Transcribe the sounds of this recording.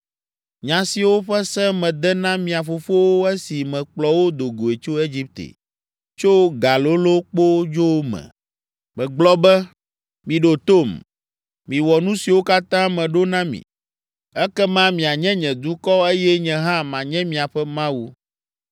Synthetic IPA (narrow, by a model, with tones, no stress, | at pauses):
ɲã˨si˨wo˦ɸɛ˦sɛ̃˦mɛ̃˨d̪ɛ˦nã˦mĩ˨a˨fo˨fo˦wo˦ɛ˦si˨mɛ̃˨k͡plɔ˨wo˦d̪o˨ɡo˨e˨t͡ʃo˦e˦d͡ʑi˦p̚t̪ḛ˨ | t͡ʃo˦ɡa˨lo˦lo˦k͡po˦d͡ʒo˦wmɛ̰̃˨ | mɛ̃˨ɡ͡blɔ˦bɛ˦ | mĩ˨ɖo˨t̪o˦˨m | mĩ˨wɔ˨nũ˦si˨wo˦ka˦t̪ã˦mɛ̃˨ɖo˦nã˦mḭ̃˨ | ɛ˦kɛ˦mã˦mĩ˨a˨ɲɛ̃˦ɲɛ̃˨d̪u˦kɔ˦e˦jɛ˦ɲɛ̃˨ɦã˦mã˨ɲɛ̃˦mĩ˨a˨ɸɛ˦mã˦wu˦